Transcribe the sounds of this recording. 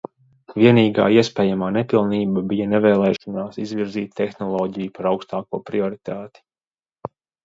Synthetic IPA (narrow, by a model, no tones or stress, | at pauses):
vʲiɛniːɡa̰ːiɛspɛːjamaːnepilˠniːbabijɐnɛvɛːlˠɛːʃɔnaːsizviɾziːt̪ʲːexnɔlˠɔːɟijupaɾawkst̪aːkuɔpɾiɔɾit̪aːt̪i̥